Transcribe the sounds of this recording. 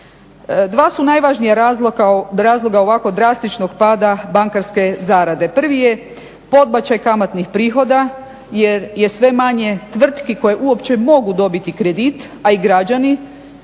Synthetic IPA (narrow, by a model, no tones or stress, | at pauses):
d̪ʋaːsunajʋaʒnijaɾazlokaɾaːzlˠo̞ɡao̞ʋako̞d̪ɾast̪it͡ʃnoɡpaːd̪abaŋkaɾske̞zaːɾad̪e̞pr̩ʋije̞ | po̞d̪bat͡ɕajkamat̪nixpɾiːxo̞d̪a | jeɾje̞sʋe̞maɲe̞t̪ʋr̩t̪kiko̞jeʔuopt͡ɕe̞mo̞ɡud̪o̞bit̪ikɾe̞d̪it̪ | aiɡɾad͡ʒani